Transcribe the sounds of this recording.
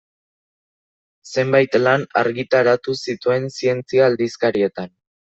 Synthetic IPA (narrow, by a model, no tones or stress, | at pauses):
se̞mbajt̪lanaɾɣit̪aɾat̪usit̪ue̞nsie̞nt͡siaːld̪iskaɾie̞t̪an